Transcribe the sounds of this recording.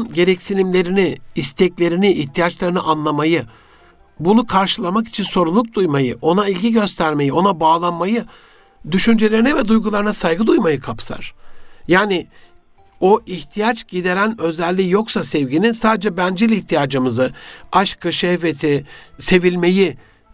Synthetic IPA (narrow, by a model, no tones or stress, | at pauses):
nɟe̞ɾɛcsinimlʲe̞ɾiniːst̪ʰɛclʲe̞ɾinɪʔːçt̪ʰijat͡ʃlˠaɾɯnɯʔanlˠamajɯ | bunukʰaɾʃɯlˠamaki̥t͡ʃʰinso̞ɾunˠuk̚d̪ujmajɯʔo̞nailʲɟiɟø̞st̪ʰæɾme̞jio̞nabaːlˠanmajɯ | d̪yʃynd͡ʒe̞lʲe̞ɾinɛvɛd̪ujɡulˠaɾɯnasajɡɯd̪ujmajɯkʰapsa̰ɾ̥jaːnɪ | o̞ʔiçt̪ʰijat͡ʃɟ̥id̪e̞ɾænø̞zɛlʲːijo̞ksasɛvɟininsaːd̪ed͡ʒɛbænd͡ʒelʲiçt̪ʰijaːd͡ʒɯmɯzɯaʃkʰɯʃɛvet̪ʰise̞vilʲme̞ji